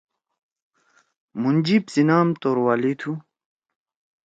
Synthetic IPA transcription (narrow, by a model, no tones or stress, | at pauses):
mund͡ʑipsinaːmt̪oːɾwaːlit̪ʰu